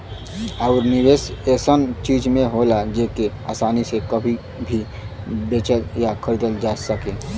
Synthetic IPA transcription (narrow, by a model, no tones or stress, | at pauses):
ɔʊɾnɪʋeːseːsənt͡ʃiːd͡ʒmẽɦoːlad͡ʒeːkea̰ːsaːnisekɐbʱi | bʱi | beːt͡ʃəljakʰəɾɪd̪əld͡ʒaːsəkẽː